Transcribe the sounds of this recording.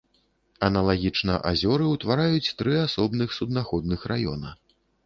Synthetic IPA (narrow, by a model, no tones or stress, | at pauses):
ɐnɐlˠaɣʲit͡ʂnɐʔa̰zʲɔɾɨwt̪vaɾajut͡sʲt̪ɾɨasɔbnɨxsud̪̚naxɔd̪nɨxrajɔ̰nɐ